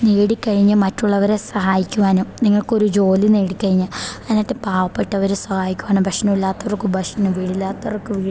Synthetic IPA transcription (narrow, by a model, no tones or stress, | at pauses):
neːɽikːɐɻiɲːɨmɐtːuɭːɐʋɐɾesɐɦaːjikʲːuʋaːnumniŋːɐɭko̞ɾud͡ʑo̞ːlineːɽikːɐɻiɲːɐɐɐnɐtːepaːʋɐpːeʈːɐʋɐɾesɐhaːjikʲːuʋaːɳɨbʱɐkʂɐnɐmilːaːt̪ːɐʋɐrkːubʱɐʂɐnumʋiɽilːaːt̪ːɐɐrkːɨʋiː